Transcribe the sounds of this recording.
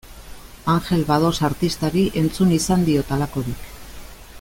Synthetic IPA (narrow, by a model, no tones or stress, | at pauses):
aŋxe̞lβað̞o̞saɾt̪ist̪aɾiʔe̞nt͡sunisand̪io̞t̪alako̞ɾik